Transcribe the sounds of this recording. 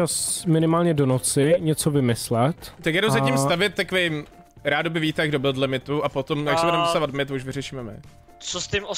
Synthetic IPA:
asmɪnɪmaːlɲɛdonot͡sɪɲɛt͡sovɪmɪslɛt̪t̪akjadɾozacimst̪avjɛt̪̚ːakovejm | ɾaːdobɪviːt̪ɛɡ̚dobɪlt̪lɪmɪt̪uapot̪o̞mjaksɛbudɛmpsavat̪̚mɪt̪ouʃvɪrɛʃiːmɛmɪ̰ | t͡sost̪ɪmo

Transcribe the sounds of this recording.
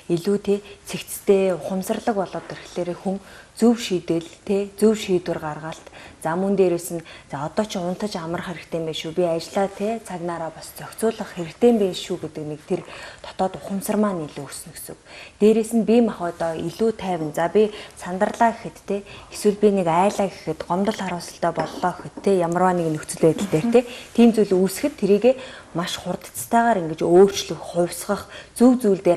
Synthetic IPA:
iɮuːt̪ʰeːt͡sʰekt͡st̪ʰeːʊχə̆msə̆rɮə̆kpɔɮɔːt̪erxɮ̥eːɾeːxuŋt͡suwʃiːt̪ɘ̆ɮt̪ʰeːt͡suwʃiːt̪wɘ̆rɢarʁaɬt̪t͡samuːnt̪eːɾeːsɘ̆nt͡saɔt̪ɔːt͡ɕʰʊn̥t̪ʰə̆t͡ɕamə̆rχeɾɘ̆kt̪ʰeːmpeːʃupʲiat͡ɕɪɮaːt̪ʰeːt͡sʰaɣnaːɾaːpɔst͡sʰœkʲt͡sʊːɮə̆χxeɾɘ̆kt̪ʰeːmpeːnʃuːɡet̪ɘ̆knek̚t̪ʰert̪ʰɔ̥t̪ɔːt̪ʊχə̆msə̆rmaːniɮuːɵs̆nɵxsɵ̆wt̪eːɾeːsɘ̆npʲimaχʊːt̪ɔːiɮuːt̪ʰæːwɘ̆nt͡sapʲisant̪ə̆rɮaːkexɘ̆t̪ːʰeːeswɘ̆ɮpʲinekaːɮaːke̥xɘ̆t̪ɢɔmt̪ɞ̆ɮaɾʊːsə̆ɬt̪œːpɔɮːɔːxɘ̆t̪ʰːeːjamə̆rwaːneknɵkt͡sɘ̆ɮpeːt̪ə̆ɮt̪eːr̥t̪ʰeːt̪ʰiːmt͡sujɮusxɘ̆t̪ʰːeɾiːɣeːmaʃχʊrt̪ə̥̆t͡st̪ʰæːʁaːɾiŋɡɘ̆t͡ɕoːr̥t͡ɕɮɵ̆xχʊwʲsʁə̆χt͡suwt͡suːɮt̪eː

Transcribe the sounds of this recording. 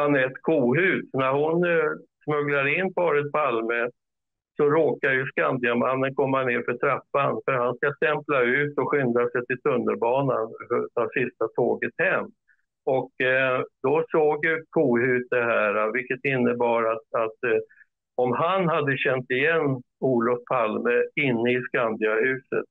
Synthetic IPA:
hanɾɛt̪kʰuːɦʉ̟ːt̪næɾhʊnsmɵɡlaɾɪnːpʰɑːɾət̪̚pʰalmə | sɔɾoːkaɾjɵskand̪ɪamanːənkʰɔmːaneːɾfœʈʰɾapːanfœɾhanskast̪ɛmplaʉ̟ːt̪ɔɧʏnd̪asɛjt̪ʰɪlt̪ʰɵnːəɾbɑːna̰nd̪avsɪst̪at̪ʰoːɡət̪hɛmː | ɔkd̪ɔsoːɡjɵkʰuːhʉ̟ːt̪̚d̪ɛɦæːɾavɪkːət̪ɪnːəbɑːɾat̪at̪ | ɔmɦanhad̪ːəɕɛnt̪ɪjɛnː | uːlɔfpʰalməɪnːəɪskand̪ɪahʉ̟ːsə̰t̪̚

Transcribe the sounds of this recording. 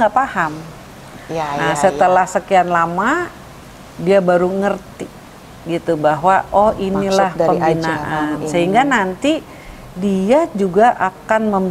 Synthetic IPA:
apaham | asət̪əlahsəkianlama | diabaɾuŋərt̪i | ɡit̪ubaɦwaʔɔhinilahpəmbinaʔansəɦiŋɡanant̪i | diad͡ʒuɡaʔakanməm

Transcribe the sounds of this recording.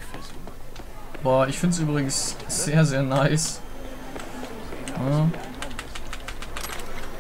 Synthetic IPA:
bɔːɪçfɪnts̬ʔyːbʁɪɡŋ̩sz̥eːɐzeːɐnaɪs

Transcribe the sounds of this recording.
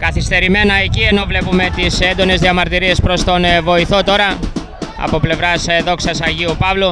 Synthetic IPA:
kɐθist̪e̞ɾime̞nɐe̞cie̞no̞vle̞pume̞t̪isend̪o̞ne̞zðiɐmɐɾt̪iɾie̞spɾo̞st̪o̞nvo̞iθo̞t̪o̞ɾɐ | ɐ̰po̞ple̞vɾɐsðo̞ksɐsɐʝiupɐvlo

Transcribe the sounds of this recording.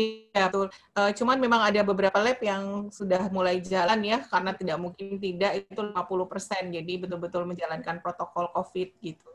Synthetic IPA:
at̪ʊlʔəːt͡ʃumanmemaŋadabəbəɾapalɛpjaŋsudahmulajid͡ʒalanjakaɾənat̪idaʔmuŋkɪnt̪̬idaʔit̪ulimapuluhpərsɛnd͡ʒadibət̪ʊlbət̪ʊlməɲd͡ʒalankanpɾot̪okɔlkofɪt̪̚ɡit̪u

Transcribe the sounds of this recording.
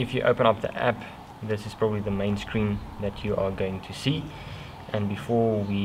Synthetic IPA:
ɪfjɨʔo̰ʊpə̃ñʌp̚ðḭʔæ̰p | ðɪsɪz̥pʰɹ̥ɔbəbliðəmẽɪ̃nskʰɹĩnðɨt͡ʃʰjəʔəɡoʊɪ̃ŋtʰusiː | ʔə̃nbɪfɔɹwi

